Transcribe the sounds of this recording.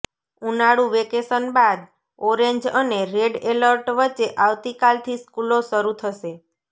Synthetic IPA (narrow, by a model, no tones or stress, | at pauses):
unaɽũʋekesənbad̪ | ɔɾeɲd͡ʒəneɾeɖeləɾʈʋət͡ʃːeʔaʋt̪ikalt̪ʰiskuloʃəɾut̪ʰəʃe